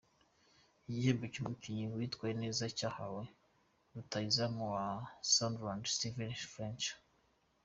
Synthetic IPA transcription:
ijihembecumukiɲiwitkwajeneːzacahawe | ɾutaizamuwasandɾandstivenfɾent͡ʃ

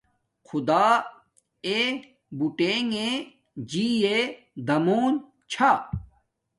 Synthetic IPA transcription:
kʰud̪aː | e | buʈeːŋe | d͡ʑiːe | d̪ɐmoːn | t͡ɕʰa

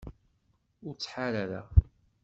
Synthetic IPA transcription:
ʊɾt͡sːħaɾaɾæ̰

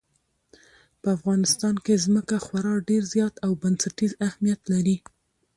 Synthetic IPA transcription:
pəafɣɑnɪst̪ɑnkezməkaxwaɾɑɖeɾzjɑt̪awbansaʈizahmijat̪laɾi

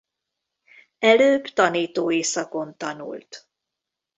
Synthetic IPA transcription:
ɛløːbt̪ɒniːt̪oːeːsɒko̞nt̪ɒnṵlt̪

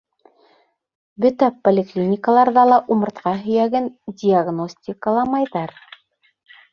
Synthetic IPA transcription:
bɵt̪æpolʲɪklʲinʲɪkəlˠɑɾðɑlˠɑʔumɤ̆ɾt̪qɑɦɵ̆jæɡɘndʲiaɡnosʲtʲɪkəlˠɑmɑjðɑɾ

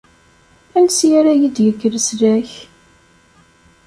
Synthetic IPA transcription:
ælsjaɾajid̪jəɡːəɾəslæç

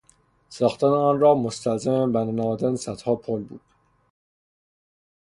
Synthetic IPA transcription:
sɒːxt̪æneɒːnrɒːmost̪ælzæmebænnæɒːd̪ænsæt̪hɒːpʰolbṵːd̪̥̚

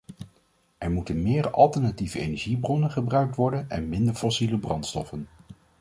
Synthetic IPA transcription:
ɛɹmutənmɪːɹɑ̰lˠtəɹnativəejnɛɹʒibrɔnənχəbrœɥk̚tʋɔɹdənɛ̰nmɪndəɹfɔsiləbrɑntstɔfən

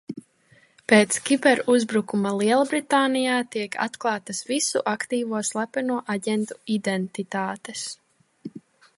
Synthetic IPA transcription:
peːt̪skʲipɛɾuzbɾukumalˠiɛlˠabɾit̪aːnijaːt̪iɛkʰa̰t̪klˠɑːt̪asvisṵʔakt̪iːvuɔslˠapɛnuɔʔaɟɛnt̪uid̪ɛnt̪it̪aːt̪es

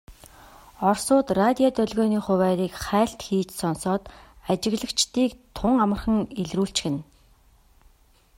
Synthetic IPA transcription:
ɔrsʊːt̪rat̪ʲijat̪œɮɣɔːniːχʊwæːɾiːkχæːɬt̪xiːt͡ɕsɔnsɔːt̪at͡ɕɪ̆ɣɮə̆kt͡ɕt̪iːkt̪ʰʊŋamə̆rχə̆ŋeɮruːɬt͡ɕxɘ̆n

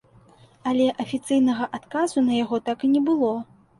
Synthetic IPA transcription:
ɐlʲɛʔɐfʲit̪sɨjnɐɣɐʔat̪kazunɐjaɣɔt̪akɨnʲɛbɨlˠɔ

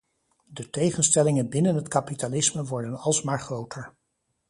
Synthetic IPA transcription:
dətejχənstɛlɪŋənbɪnənɦətkapitalɪsməʋɔɹdənɑlˠsmaːɹχrowtʰəɹ

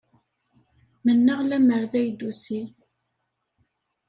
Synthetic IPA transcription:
mənːəʁlæməɾðæjd̪usi

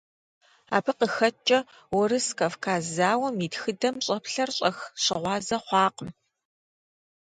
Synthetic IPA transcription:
a̰ːpʰɨqəxɐt͡ʃʼɐ | wɔɾɨskɐfkʰaːzaːwɐmitxɨdɐmɕʼɐpɬɐrɕʼɐxɕɪʁʷɑːzɐχʷɑːqəm

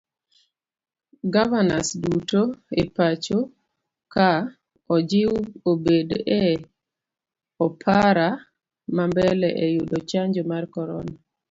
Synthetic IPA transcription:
ɡavana̰sdutoepat͡ʃo | ka | ɔd͡ʒɪwobedɛ | ɔpʰaɾa | mambɛlɛʔɛjudot͡ʃaɲd͡ʒɔmarkɔɾɔna

